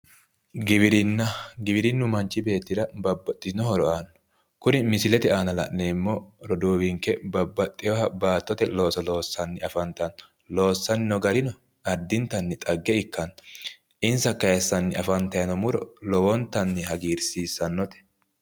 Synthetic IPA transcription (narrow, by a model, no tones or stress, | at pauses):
ɡɪbɪɾɪnːɐɡɪbɪɾɪnːʊmɐnt͡ʃːɪbe̞ːt̪ːɪd̪ɐbɐbːɐt̪ʼːɪɪnɔɦɔɾɔʔanːɔ̥ | kʊnɪmɪsɪlɛt̪ɛaːnɐlɐ̰ʔnemːɔɾɔd̪uːwɪŋkɛbɐbːɐt̪ʼːɪjɔhɐbaːt̪ːɔt̪ɛlo̞ːsɐlo̞ːsːɐnːɪɐfɐnt̪ɐn | lo̞ːsːɐnɪnɔɡɐɾɪnɔ | ɐɾd̪ɪnt̪ɐnːɪt̪ʼɐɡːɛɪkːɐn | ʔɪnsɐkːɐjɛsːɐnːɪɐfɐnt̪ɐjɐnɔmʊɾɔ̰lɔwɔnt̪ːɐnːɪhɐɡiːɾsiːsːɐnːɔt̪ɛ̥